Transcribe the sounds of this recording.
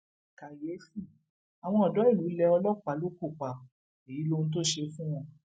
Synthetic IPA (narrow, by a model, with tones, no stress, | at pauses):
ka˨je˨˦si˦˨ | a˨w̃ɔ̃˧ɔ˨dɔ˨˦i˦˨lu˨˦lɛ˧ɔ˧lɔ˦k͡pa˨˦lo˦ko˦˨k͡pa˨ | e˨ji˨˦lo˧nũ˧˦t̬o˦ʃe˧fũ˦w̃ɔ̃˧